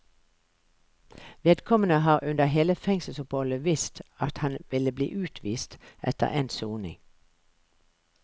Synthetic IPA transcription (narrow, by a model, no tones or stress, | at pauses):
ʋeːd̪kʰɔmənəhɑːʁʉnd̪əheːləfɛŋsəl̩sɔphɔləʋɪst̪ɑt̪hɑnʋɪləblḭːʔʉːt̪ʰʋiːst̪ʔɛ̰t̪ə̰ʁʔeːnsuːnɪ̰ŋ